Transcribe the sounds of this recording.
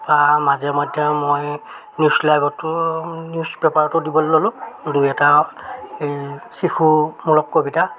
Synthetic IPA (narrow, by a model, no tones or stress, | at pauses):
bamazɛmɔjdʱjɔmoj | njuslajbɔtʊnjuspepaɹɔtɔdibɔlːolʊ̃dujɛta | ejsixumulɔkːobita